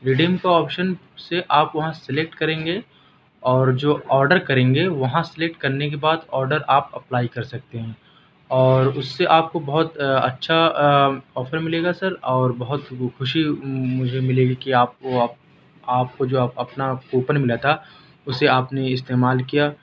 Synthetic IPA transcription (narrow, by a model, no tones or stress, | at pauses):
ɾɪɖemkaɔːpʃən | seʔaːpʋɐɦãsɪlek̚ʈkɐɾẽːŋɡe | ɔːɾd͡ʒoːɔːɾɖəɾkɐɾẽːŋɡeʋɐɦãsɪlek̚ʈkɐɾnek̬ebaːd̪ɔːɾɖəɾaːpɐplaːikɐɾsɐk̚t̪eɦɛ̃ː | ɔːɾʊsːeʔaːp̚kobɐɦʊt̪ɐ̰tːʃʰa | ɔːfəɾmɪleːɡasɐɾɔːɾbɐɦʊt̪xʊʃimʊd͡ʒʱemɪleːɡikiaːp̚kop̚ | aːp̚kod͡ʒoːɐpɐpnaoːpənmɪlat̪ʰa | ʊseaːpneɪst̪eːmaːlkijaː